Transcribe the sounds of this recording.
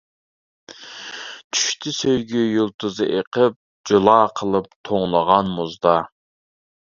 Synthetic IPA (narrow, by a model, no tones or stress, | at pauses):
t̪ʰy̥ʃt̪ʰysøjɡʲyjulˠt̪ʰɨzɨʔeqʰəp̚ | d͡ʒolˠɑːqʰəlˠɨp̚t̪ʰoŋlˠɑʁɑnmuzd̪ɑ